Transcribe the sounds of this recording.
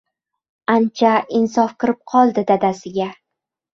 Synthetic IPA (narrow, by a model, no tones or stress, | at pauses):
ant͡ʃʰaɪnsɒfkɨɾɪp̚qʰɒlˠd̪ɪd̪ad̪asɪɡʲa